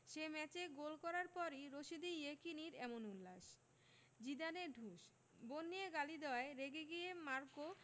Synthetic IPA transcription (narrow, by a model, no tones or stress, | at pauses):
ʃemɛt͡ɕeɡolkɔɾaɾpɔɾiɾoʃid̪ijekiniɾɛmonulːaʃ | d͡ʑid̪aneɾɖʱuʃ | bonːijeɡalid̪eoaeɾeɡeɡijemaɾko